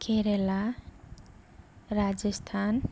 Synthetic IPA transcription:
kʰeɾela | ɾad͡ʒʌst̪ʰan

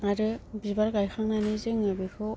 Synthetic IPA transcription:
aɾɯbibaɾɡajxʰaŋnanizɯŋɯbɯkʰɯ

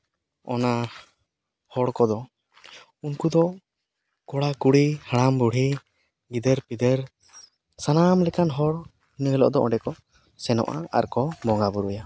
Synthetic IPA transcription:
ɔ̰na | hɔɽkɔd̪ɔ | unkud̪ɔ | kɔɽakuɽihaɽambuɽ̤i | ɡid̪ɛɾpid̪ɛɾ | sanamlɛkanɦɔɽ | inɔɛlɔ̰ʔɔd̪ɔɔ̃ɳɖɛkɔ | sɛnɔ̰ʔa̰a̰ɾkɔbɔŋɡabuɾuja

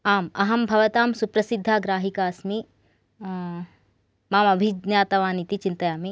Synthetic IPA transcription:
aːmɐɦɐmbʱɐʋɐt̪aːmsupɾɐsid̪ʱːaːɡɾaːɦikaːsmi | maːmɐbʱid͡ʒnjaːt̪ɐʋaːnit̪it͡ʃint̪ɐjaːmi

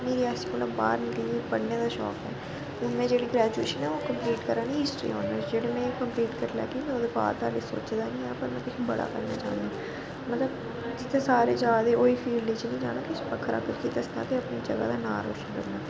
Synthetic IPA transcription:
meːɾiːaːsimətlləbba̰ːɾnikəliepəɽneːd̪aːʃɔ̰ːkɛː | t̪ʊnmẽːd͡ʒeːɽiːɡɾɛːd͡ʒueːʃənɛːoːkəmpliːʈkəɾaːnĩːɦɪsʈɾḭːɦo̰ːnəd͡ʒeːɽeːmɛ̃ːkəmpliːʈkəɾlɛ̰ːkĩneoːd̪eːpa̰ːɾt̪aːliso̰ːt͡ʃd̪aːnĩːɛːpəɾmɛ̃ːkɪsʰbə̰ɽa̰ːkə̰ɾnaːt͡ʃa̰ːnd̪aː | mət̪ləb | d͡ʒɪt̪ʰːeːsaːɾeːd͡ʒaɡad̪eːʔoːiːpʰiːɖliːt͡ʃnĩːd͡ʒa̰ːnaːkɪsʰpəkʰːɾa̰ːkəɾkid̪əsna̰ːt̪eəpniːd͡ʒəɡa̰ːd̪aːnaːɾo̰sd̪əɾnaː

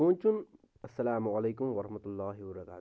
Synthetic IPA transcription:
ũːnt͡ʃun | ɐsːɐlaːmʊɐleːkʊmʋɐɾɐhmɐt̪ʊlːaːɦɪbbɐɾɐka̰ː

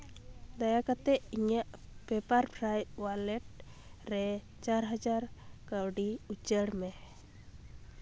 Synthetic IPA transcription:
d̪ajakat̪ɛiɲaʔpɛpaɾpʰɾajt̪̚walɛʈ̚ | ɾɛ | t͡ʃaɾɦad͡ʒaɾkawɖiut͡ʃəɽmɛ

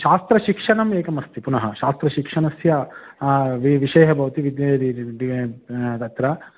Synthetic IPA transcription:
ʃaːst̪ɾɐʃikʂɐɳɐmeːkɐmɐst̪ipunɐɦɐʃaːst̪ɾɐʃikʂɐɳɐsjɐ | ʋiʋiʃɐjɦɐbʱɐʋɐt̪iʋid̪jɐɾiit̪ɐt̪ɾɐ

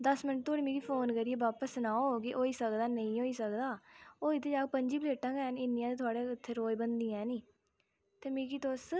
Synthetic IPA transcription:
d̪əsmɪnəʈt̪ʰoːɽiːmeːɾiːpʰoːnkəɾiːeːʋaːpəsnaːoːkɪʔoːiːsəkd̪aːnəĩːɦoːiːsəkd̪aːoːɪt̪ʰːeːd͡ʒaːɡpəɲd͡ʒiːpəleːʈãːkɛːnɪnːijãːd̪eːt̪ʰʊaːɽeːɪt̪ʰːeːɾoːjbənd̪iːɛ̃ːniː | t̪eːmeːkiːt̪os

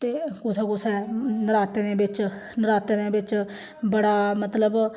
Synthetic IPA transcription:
t̪eːkʊsɛːkʊsʰɛːnəɾaːt̪enẽːbɪt͡ʃnəɾaːt̪eːnẽːbɪt͡ʃ | bəɽaːmət̪ləb

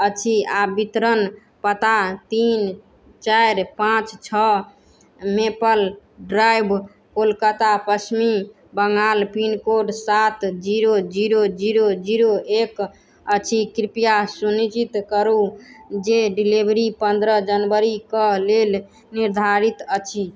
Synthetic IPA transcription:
ət͡ʃʰiabit̪ɾən | pət̪at̪in | t͡ʃajɾpãt͡ʃt͡ʃʰə | mepəlɖɾajbʱ | kolkət̪apəsmi | bəŋɡalpinkoɖsat̪d͡ʒiɾod͡ʒiɾod͡ʒiɾod͡ʒiɾoek | ət͡ʃʰikɾipijasunit͡ʃit̪kəɾud͡ʒeɖilibɾipənd̪ɾəd͡ʒənbəɾikəlel | niɾd̪ʱaɾit̪ət͡ʃʰi

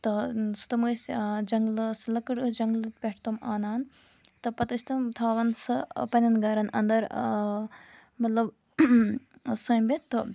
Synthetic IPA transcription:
t̪ɐsu̥t̪ɐmɨːsʲd͡ʒɐŋɡlɨslɐkɨɽɨd͡ʒɐŋɡlɨt̪̚pʲeʈʰt̪omaːnaːn | t̪ɐpɐt̪ɐsʰt̪ɐmt̪ʰaːʋɐnsɨpɐnʲɐnɡɐɾɐnɐ̰nd̪ɐɾ | mɐt̪lɐb | sɐmbʲet̪ɨ

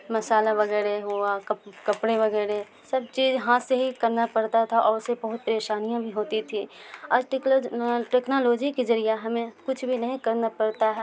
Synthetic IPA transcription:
mɐsaːlabɐɡɛːɾeɦuakkɐpɽeʋɐɡɛːɾe | sɐb̚t͡ʃiːzɦãseɦikɐɾnapɐɽt̪at̪ʰaʔɔːɾsebɐɦʊt̪̚pəɾeːʃaːnijãbʱiɦoːt̪it̪ʰiɔːʈ | ʈeːknoːloːd͡ʒikezɐɾijaɦɐmẽkʊt͡ʃʰbʱinɐɦĩkɐɾnapɐɾt̪aɦɛ

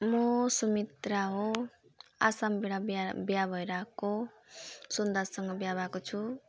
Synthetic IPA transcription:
mʌsumit̪ɾaɦo | a̰sambeɽabbjabʱʌjɾako | sond̪asʌŋɡʌbjabʱakot͡sʰu

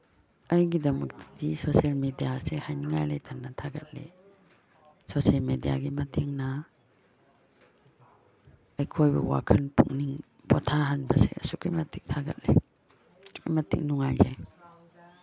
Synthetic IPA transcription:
ajɡidɐmɐk̚ti̥disosalmedijasehajniŋajlajtʰanːatʰaɡat̚lḛ | sosalmedia̰ɡimɐtʰeŋna | ajkʰojba̰wa̰kʰanpṵŋniŋ | pʰɔtʰaɦanbasḛsukʰijmɐtʰik̚tʰaɡa̰t̚le | jmatḭk̚nuŋajzaj

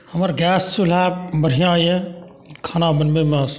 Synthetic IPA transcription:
hɐmɐɾɡaːsːulaːbɐɽ̤ijãːjẽ | kʰaːnaːbɐnmemas

